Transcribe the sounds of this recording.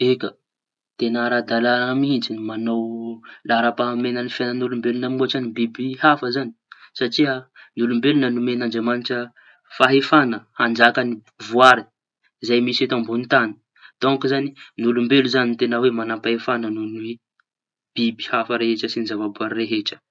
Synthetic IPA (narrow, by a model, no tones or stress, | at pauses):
ekə | t̪enɾad̪alaɾaŋəmind͡zinumanowlaɾapaɦamenənifjanənulumbelunamuaʈ͡ʂanibibihafəzani̥saʈ͡ʂianulumbelunənumenand͡ʒamaniʈ͡ʂə | faɦefanəhand͡ʒakani | vuaɾi | izajmiset̪ambunt̪ani̥ | t̪oŋkizaninulumbeluzanint̪enəwemanapaɦefananonuwi | b̥ibi̥hafəɾeɦeʈ͡ʂəsinizavabuaɾreɦeʈ͡ʂə̥